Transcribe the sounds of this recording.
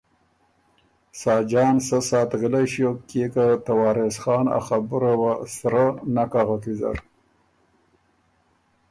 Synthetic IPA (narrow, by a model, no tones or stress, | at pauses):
sɑːd͡ʒɑːnsasɑːt̪ɣəlaʃiokekat̪awɑːɾesxɑːna̰xabuɾawasɾanakaɣakiza̰ɾ